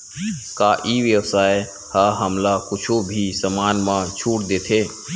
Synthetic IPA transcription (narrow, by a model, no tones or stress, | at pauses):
kaʔiʋjəʋsaːe | haɦəmlakʊt͡ʃʰobʱisəmaːnmãt͡ʃʰuːʈd̪eːt̪ʰeː